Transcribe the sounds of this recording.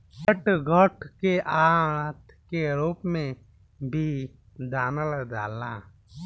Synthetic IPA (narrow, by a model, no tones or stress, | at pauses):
pəʈɡʱɔʈʰkeʔaːt̪ʰ | keɾuːpmẽ | bʱi | d̪aːnəld̪aːlaː